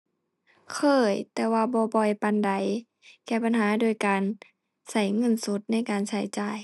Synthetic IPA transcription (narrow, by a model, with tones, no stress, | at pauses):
kʰɤː˧˩jt̪ɛː˧waː˧bɔː˧˦bɔ˧˨jpa˧˨nda˨˩j | kɛː˧˩pa˨nɦaː˨˦doː˧˩jkaː˨n | sa˧˩jŋɤ˧˥˨nsu˧˦t̪̚na˧˩˨jkaː˨nsa˧˩jt͡ɕaː˧˩j